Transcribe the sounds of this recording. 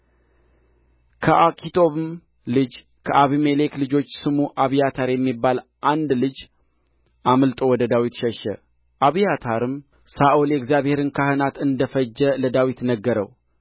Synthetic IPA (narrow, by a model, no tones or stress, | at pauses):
kʰəʔakʰʼit̪ʰo̞βɨm | lɨd͡ʒ | kʰəʔaβimele̞klɨd͡ʒo̞t͡ʃːsɨmuʔaβijat̪ʰaɾjɛmːibːalʔand̪lɨd͡ʒ | ʔamɨlt̪ʼo̞wɔd̪əd̪awit̪ʃɛʃɛ̰ | ʔaβijat̪ʰaɾɨm | saʔulɛɡzjaβhe̞ɾɨnkʰahɨnat̪ɨnd̪əfəd͡ʒːɛləd̪awit̪nəɡːəɾə̰w